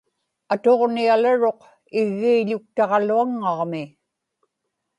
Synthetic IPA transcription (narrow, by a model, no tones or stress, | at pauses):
at̪o̞ʁnialaɻo̞q | ɪɣːiːʎʊk̚t̪ɑʁɑluaŋːɑʁmɪ